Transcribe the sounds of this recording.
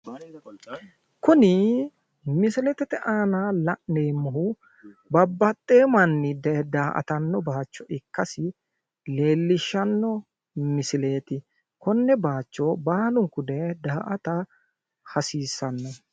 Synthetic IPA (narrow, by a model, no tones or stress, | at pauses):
kʊnɪ | mɪsɪlɛt̪ɛt̪ɛʔaːnalɐʔneːmːɐɦʊ | bɐbːɐt̪ʼːeːmɐnːɪd̪ɛd̪aːʔɐ̰t̪ɐnːɔbaːt͡ʃːɔʔɪkːɐsɪ | le̞ːlːɪʃːɐnːɔ | mɪsɪle̞ːt̪ɪ | kɔnːɛbaːt͡ʃːɔbaːlʊŋkʊd̪ɛd̪aːʔɐt̪ɐ | hɐsiːsːɐnːɔ